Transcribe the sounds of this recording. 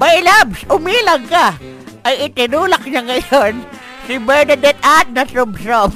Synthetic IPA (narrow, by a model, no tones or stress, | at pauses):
bɐjlabsʊmiːlɐɡka | ʔɐjɪt̪ɪnuːlak̚ɲaŋɐjon | sɪbɛɹnɐd̪ɛt̪̚at̪̚nɐsʊbsop